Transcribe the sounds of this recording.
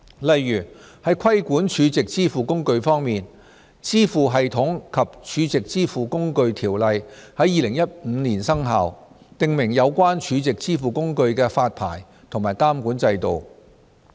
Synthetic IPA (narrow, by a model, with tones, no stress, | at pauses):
lɐ˨jːyː˨˩hɐ˨˥jkʰɐ˥jkuː˨˥nt͡ʃʰyː˨˧t͡sɪ˨k̚t͡siː˥fuː˨kʊ˥ŋkɵ˧ɥfɔː˥ŋmiː˨n | t͡siː˥fuː˨ɦɐ˨jt̪ʰʊ˨˥ŋkʰɐ˨p̚t͡ʃʰyː˨˧t͡sɪ˨k̚t͡siː˥fuː˨˩kʊ˥ŋkɵ˧ɥt̪ʰiː˨˩wlɐ˨jhɐ˨˥jiː˨˧lɪ˨˩ŋjɐ˥t̚m̩˨˧˥niː˨˩nsɐ˥ŋɦa̰ː˨w | t̪ɪ˨ŋmɪ˨˩ŋjɐ˨˧wkʷaː˥nt͡ʃʰyː˨˧t͡sɪ˨k̚t͡siː˥fuː˨kʊ˥ŋkɵ˧ɥkɛː˧faː˧t̚pʰa̰ː˨˩j | t̪ʰʊ˨˩ŋmaː˨˩jkaː˥mkuː˨˥nt͡sɐ˧jt̪o˨w